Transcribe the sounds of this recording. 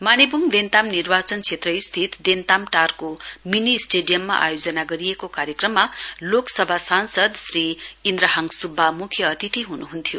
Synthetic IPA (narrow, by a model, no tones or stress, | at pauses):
manebuŋd̪ent̪amnirbat͡sʌnt͡sʰet̪rʌist̪ʰit̪d̪ent̪amʈarkominisʈeɖijʌmːa̰ʔa̰jod͡zʌnaɡʌɾijekokaɾjekrʌmːaloksʌbʱasansʌd̪sriind̪rʌɦaŋsubʱːamukʰjʌːt̪it̪iɦunuɦunt̪ʰijo